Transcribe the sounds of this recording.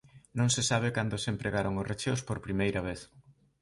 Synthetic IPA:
nõŋsesaβ̞ekand̪osempɾʔeɣaɾoŋʊret͡ʃewspoɾpɾimejɾɐβ̞eθ

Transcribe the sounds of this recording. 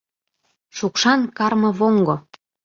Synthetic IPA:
ʃukʃɑnkɑrmɤ̆βoŋɡo

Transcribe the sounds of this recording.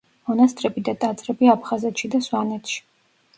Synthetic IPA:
mɔnast̪ʼɾɛbid̪at̪ʼat̪sʼɾɛbiapʰχazɛt̪ʰʃid̪aswanɛt̪ʰʃi̥

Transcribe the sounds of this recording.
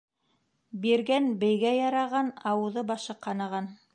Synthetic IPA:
biɾɡænbɘ̆jɡæjɑɾɑʁɑnɑwɤ̆ðɤbɑʃɤqɑnɑʁɑn

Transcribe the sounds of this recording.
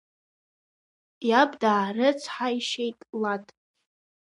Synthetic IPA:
jabdaːrɨt͡sʷʰħaiʃejtʼlatʼ

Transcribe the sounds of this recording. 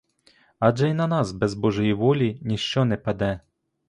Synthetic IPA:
aʐɛjnɐnasbɛzbɔʐɨjivɔlʲinʲiʂt͡ʂɔnɛpad̪ɛ

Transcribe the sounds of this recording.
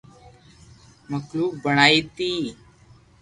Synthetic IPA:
məkluːk̚bəɳ̃aːiːt̪iː

